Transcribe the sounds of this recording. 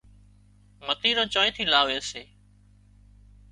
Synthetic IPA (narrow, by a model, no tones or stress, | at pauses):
mət̪iːɾõːt͡ʃɔːjt̪ʰiːlaːʋeːseː